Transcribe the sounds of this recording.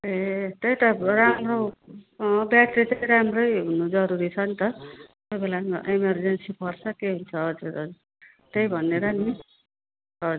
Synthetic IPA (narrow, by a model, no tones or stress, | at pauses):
et̪ejt̪ʌramro | bjaʈrit͡sʌĩɾamrʌjɦunod͡zʌɾuɾit͡sʰʌnt̪ʌ | jbelaʔemʌrd͡zensipʰʌrsʰʌkeɦunt͡sʰʌɦʌd͡zuɾʌ | t̪ejbʱʌnːeɾʌni | ʌ